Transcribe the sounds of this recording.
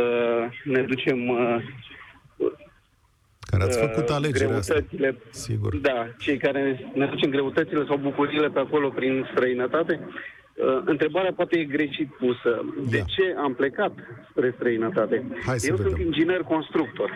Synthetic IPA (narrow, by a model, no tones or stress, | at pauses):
əned̪ut͡ʃe̞m | ka̰ɾḛafəkut̪aleɡd͡ʒɾeɾut̪ət̪sile̞sḭɡṵɾd̪at͡ʃe̞jkaɾened̪ut͡ʃe̞mɡɾe̞ut̪ət̪sile̞sawbukuɾiːle̞peako̞lo̞pɾinst̪ɾəinət̪at̪e̞ | əɨnt̪ɾe̞baɾeapoat̪e̞jeɡɾe̞ʃit̪̚pusəd̪et͡ʃe̞ample̞kat̪spɾe̞st̪ɾəinət̪at̪e̞ajsjewssunt̪ind͡ʒinerʲko̞nst̪ɾuk̚t̪o̞rʲ